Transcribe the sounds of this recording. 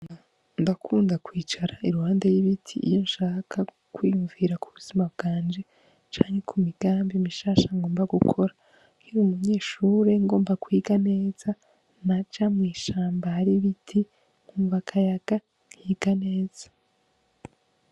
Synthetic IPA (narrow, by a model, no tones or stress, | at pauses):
ndakʰuːndakwiːt͡ʃaɾaiɾuhaːndejiβitʰiʔːjo̞nʃaːkʰa | kwiːjuɱviɾakʰuβuz̥imabɡ̥aːnd͡ʒe̞ | t͡ʃaːɲhe̞kʰumiɡ̥aːmbimiʃaːʃaŋɡo̞ːmbaɡukʰo̞ɾa | ŋiɾumuɲe̞ːʃuːɾe̞ŋɡo̞ːmbakwiːɡane̞ːz̥a | nat͡ʃamŋiːʃaːmbahaɾiβitʰi | ŋ̥huːɱvakʰajaɡ̥a | ŋhiːɡ̥ane̞ːz̥ḁ